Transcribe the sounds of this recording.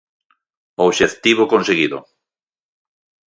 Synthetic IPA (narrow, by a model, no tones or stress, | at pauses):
oβʃeθt̪iβokonseɣiðʊ̰